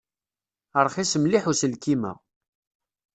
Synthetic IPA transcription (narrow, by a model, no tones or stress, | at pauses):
əɾˤχisəmliħusəlkimæ̰